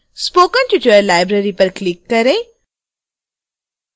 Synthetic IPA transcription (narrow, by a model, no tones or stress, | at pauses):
spoːkãnʈuʈuəɾlaːɪbɾəɾipɐɾklɪkːɐɾẽ